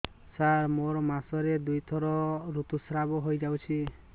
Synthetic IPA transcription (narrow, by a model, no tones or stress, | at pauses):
saɾmoɾɔmasɔɾed̪ujt̪ʰɔɾɔɾut̪usɾabɔɦojd͡ʒawt͡ʃʰi